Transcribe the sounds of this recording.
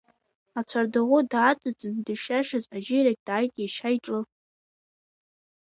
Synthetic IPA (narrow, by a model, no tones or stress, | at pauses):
at͡ɕʷʰardɨʁʷʊdaːt͡sʼɨt͡sʼɨndɨʃaʂazʼaʒɪɾak̚ʲʼd̥aːjtʼjaʃajʈ͡ʂʼɨ